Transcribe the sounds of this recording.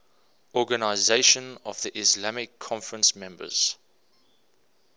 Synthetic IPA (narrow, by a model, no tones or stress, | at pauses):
ɔɡənaɪzeɪʃə̃nɔvðiʔɪslamɪkʰːɔ̃ɱfəɹə̃nsmɛ̃mbə̰z̥